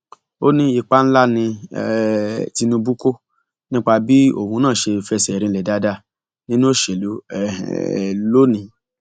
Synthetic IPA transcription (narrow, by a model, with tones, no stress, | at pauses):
o˦nĩ˦i˧k͡pa˦n̩˦la˦nĩ˧˨ | ti˧nũ˧bu˦ko˦ | nĩ˦k͡pa˧bi˦o̰˦˨hũ˧˦nãː˦˨ʃe˧fɛ˧˨sɛ˨ɾĩ˧lɛ˨da˦da˦˨ | nĩ˦nũ˦o˦˨ʃe˨lu˨˦ɛ̰˨ | lo˦nĩ˨˦